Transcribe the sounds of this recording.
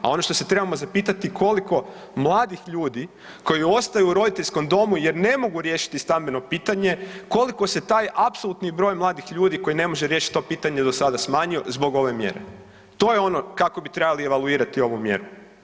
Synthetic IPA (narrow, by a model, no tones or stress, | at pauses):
a̰o̞no̞ʃt̪o̞se̞t̪ɾe̞bamo̞zapiːt̪at̪ikʰo̞liko̞ | mlˠaːd̪ixʎuːd̪i | ko̞jio̞st̪ajuuɾo̞d̪it̪e̞ʎʲsko̞md̪o̞muje̞ɾne̞mo̞ɡuɾje̞ːʃi̥t̪ist̪ambeno̞piːt̪aɲe̞ko̞liko̞se̞t̪aːjapso̞lˠut̪nibɾo̞ːjmlˠaːd̪ixʎuːd̪iko̞jine̞mo̞ʒeɾje̞ʃi̥t̪̚ʲt̪o̞piːt̪aɲed̪o̞sad̪asmaːɲio̞zbo̞ɡo̞ʋe̞mje̞̰ɾḛ | t̪o̞ːjeo̞no̞kako̞bit̪ɾebalieʋalˠuiːɾat̪io̞ʋumje̞̰ɾu